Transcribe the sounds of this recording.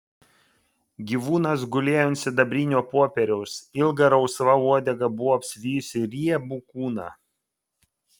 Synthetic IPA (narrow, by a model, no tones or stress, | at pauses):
ɡʲiːʋuːnɐsɡʊlʲeːjʊnʲsʲɪd̪ɐbʲɾʲiːnʲuːpoːpʲɛɾʲɛʊsɪlˠɡɐɾɐʊsʋɐuɔd̪ʲɛɡɐbʊʋɔɐpʲsʲʋʲiːjʊsʲɪɾʲiɛbukuːnɑ̰ː